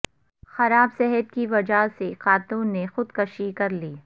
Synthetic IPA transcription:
xɐɾaːbsɛɦət̪kiʋɐd͡ʒaseqaːt̪uːnːexʊd̪kɐʃikɐɾliː

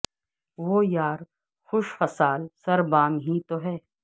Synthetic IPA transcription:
ʋoːjaːɾ | xʊʃfɐsaːlsɐɾbãːŋɦĩt̪oɦɛː

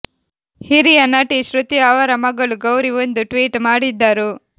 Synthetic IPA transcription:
hiɾijɐnɐʈiʃɾut̪iaːʋɐɾɐmɐɡɐɭuɡɐwɾiʋond̪uʈʋiːʈmaːɽid̪ːaːɾu

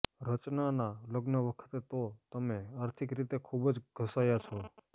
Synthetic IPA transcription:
ɾət͡ʃnanaləɡnəʋəkʰə̥t̪et̪ot̪əmeaɾt̪ʰikɾit̪ekʰubd͡ʒɡʱəsajat͡ʃʰɔ

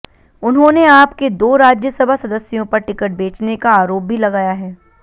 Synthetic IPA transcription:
ʊnɦõneaːpked̪oːɾaːd͡ʒjəsɐbʱasɐd̪əsːjõpɐɾʈɪkəʈ̚beːt͡ʃnekaaːɾoːp̚bʱilɐɡaːjaɦɛː

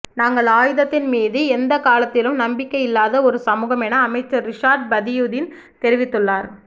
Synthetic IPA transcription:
naːŋɡɐɭaːjɯðɐt̪ːɪnmiːðɯɛnd̪ɐkaːlɐt̪ːɪlɯmnɐmbɪkːɐɪjɪlːaːðɐɔɾɯsɐmuːɣɐmɛnɐːmɐɪt͡ʃːɐɾɪʂaːɾɖ̚bɐðɪjuːðɪn | t̪ɛɾɪʋɪt̪ːɯɭːaːɾ

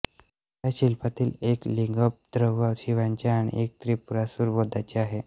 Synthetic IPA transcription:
jjaɕilpat̪iːlekliŋɡəp̚d̪ɾəʋaɕiʋaɲt͡ɕjaːɽ̃ḭʔek̚t̪ɾiːpuɾasuɾbod̪ʱat͡ɕeaɦe

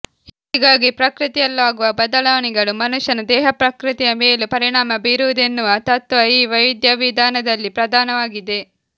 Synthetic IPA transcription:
hiːɡaːɡipɾɐkɾɨt̪ɛjɐlːʋaːɡuʋɐbɐd̪ɐɭaːʋɐɳɛɡɐɭumɐnuʂjɐnɐd̪ɛːɦɐpɾɐkɾɨt̪ijɐmeːlupɐɾiɳaːmɐbiɾuʋd̪enːuʋɐt̪ɐt̪ʋɐiːʋɐjʋid̪jɐʋid̪ʱaːnɐd̪ɐlːipɾɐd̪ʱaːnɐʋaːɡid̪e̞

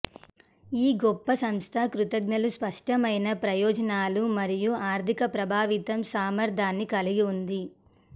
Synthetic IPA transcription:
iːɡɔpːɐsɐmst̪ʰɐkɾut̪ɐɡnɐluspɐʂʈɐmɐjnɐpɾɐjɔːd͡ʒɐnaːlumɐɾijuaːɾt̪ʰikɐpɾɐbʱaːʋit̪ɐmsaːmɐɾd̪ʱaːnːikɐliɡiund̪i

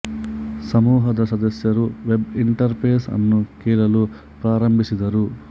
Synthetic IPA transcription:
sɐmuːɦɐd̪ɐɾsɐd̪ɐsjɐɾuʋebiɳʈɐɾpʰeːsɐ̰nːukiːlɐlu | pɾaːɾɐmbʱisid̪ɐɾu

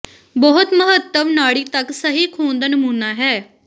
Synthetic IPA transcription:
bɔɦʊt̪məɦət̪ːəmnaːɽiːt̪əksəɦiːkʰuːnd̪aːnəmuːnaːɦɛː

